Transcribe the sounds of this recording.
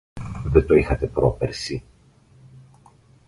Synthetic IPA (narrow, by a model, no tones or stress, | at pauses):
ðet̪oixɐt̪e̞pɾope̞ɾsi